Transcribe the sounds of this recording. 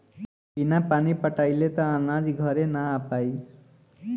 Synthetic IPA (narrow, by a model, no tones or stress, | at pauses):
pinapanipəʈajlet̪ɔːnad͡ʒɡʱʌɾenaːpaj